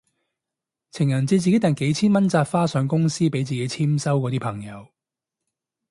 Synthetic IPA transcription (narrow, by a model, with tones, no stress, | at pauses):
t͡sʰɪ˨˩ŋjɐ˨˩nt͡si˨˧t͡siː˨ke˨˥t̪ɐ˨nke˨˥jt͡sʰiː˥nmɐ˥nt͡saː˧tfaː˥sœː˨˧ŋkʊ˥ŋsiː˥pe˨˥jt͡siː˨˩ke˨˥jt͡sʰiː˥msɐ˥wkɔː˨˧t̪iː˥pʰɐ˨˩ŋjɐ˨˧w